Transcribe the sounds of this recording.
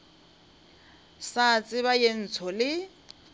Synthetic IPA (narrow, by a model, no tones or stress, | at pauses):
sat͡sʼɪβajen̩t͡sʰɔlɪ